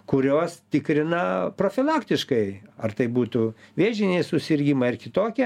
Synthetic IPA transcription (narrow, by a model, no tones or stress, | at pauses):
kʊɾʲoːst̪ʲɪkɾʲɪnɐpɾoːfʲɪlˠɑːkt̪ʲɪʃkɐɪɐrt̪ɐɪbuːt̪ʊʋʲeːʒʲɪnʲeːsʊsʲɪrʲɡʲimɐɪrkʲɪt̪oːkʲɛ